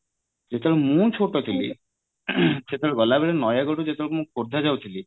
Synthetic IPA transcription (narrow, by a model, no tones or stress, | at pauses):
d͡ʒet̪ɔɭɛmũt͡ʃʰoʈot̪ʰili | ʃet̪ʰɔɭebɔlabeɾenɔjaɡoʈud͡ʒet̪ɔɭmũkoɾd̪ʱad͡ʒawt̪ʰili